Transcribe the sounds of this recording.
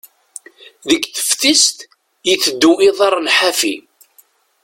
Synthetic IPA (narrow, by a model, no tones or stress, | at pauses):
ðəkːθə̥fθist̪ | jiθəd̪ːuiðˤɑɾˤnħafḭ